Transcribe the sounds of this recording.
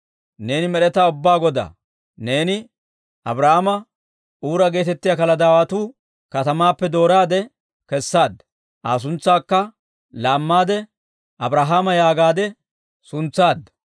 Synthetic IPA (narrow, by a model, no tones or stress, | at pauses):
ne̞ːnɪmɛɾɛt̪aːʊbːaːɡɔd̪a̰ː | ne̞ːnɪ | ʔɐbɾɐhamɐ | uːɾɐɡe̞ːt̪ɛt̪ːɪjaːkɐlɐd̪aːwɐt̪uː | kɐt̪ɐmaːpːɛd̪o̞ːɾaːd̪ɛ | kɛsːaːd̪ːɐ | ʔaːs̬ʊnt͡sːaːkːɐ | laːmːaːd̪ɛ | ʔɐbɾaɦaːmɐjaːɡaːd̪ɛ | sʊnt͡sːaːd̪ɐ